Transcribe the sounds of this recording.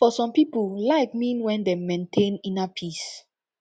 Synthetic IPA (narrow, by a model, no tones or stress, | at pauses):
fɔsɔ̃mpipulaɪk̚mĩnwɛ̃ndemẽntʰẽnĩnapʰis